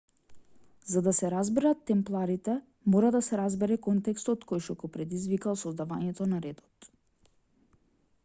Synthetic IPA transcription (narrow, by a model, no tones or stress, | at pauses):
zad̪asɛɾazbɛɾat̪ːɛmplˠaɾit̪ɛ | mɔɾad̪asɛɾazbɛɾɛkɔnt̪ɛkst̪ɔt̪kojʃɔkɔpɾɛd̪izvikalˠsɔzd̪avaɲɛt̪ɔnaɾɛd̪ɔt̪